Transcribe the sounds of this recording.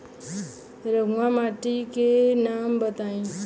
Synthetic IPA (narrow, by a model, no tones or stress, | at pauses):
ɾəɡamaʈikenambət̪aːĩ